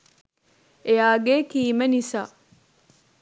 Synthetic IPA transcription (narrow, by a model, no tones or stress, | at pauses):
eaːɡeːkiːmenisaː